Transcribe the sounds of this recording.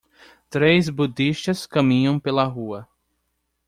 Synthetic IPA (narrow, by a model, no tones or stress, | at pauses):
t̪ɾejzbud̪iʃt̪ɐskɐ̃mĩɲɐ̃w̃pelɐɦuɐ